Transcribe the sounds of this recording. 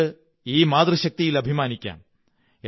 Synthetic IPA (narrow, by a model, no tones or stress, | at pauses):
ɨ | iːmaːd̪rɨɕɐk̚t̪ijilɐbʱimaːnikʲːa̰ːn | e